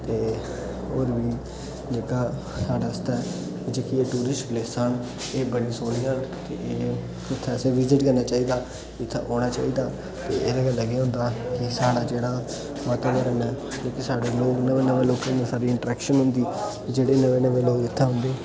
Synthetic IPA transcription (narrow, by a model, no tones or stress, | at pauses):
t̪eː | oːɾʋiː | d͡ʒeːkaː | saːɖaːɪst̪aː | kd͡ʒeːkieːʈuːɾɪsʈkleːsən | eːbəɽisoːlijãːt̪ḛeː | ɪt̪ʰːɛsẽːʋɪzɪʈkəɾnaːt͡ʃaːiːd̪aː | ɪt̪ʰːḛɦoːñaːt͡ʃa̰ːiːd̪aː | t̪eːeːd̪eːɡəlːəɡjːɦʊ̃nd̪aːkɪsaːɽaːd͡ʒeːɽaː | maːt̪aːməɾənɛː | d͡ʒoːkisaːɖeːloːknəʋeːnəʋeːloːkənesaːɾiɪɳʈɾɛːkʃənɦʊ̃nd̪iː | d͡ʒeːɽeːnəʋẽːnəʋeːloːɡɪt̪ʰːɛːɦʊ̃nd̪eː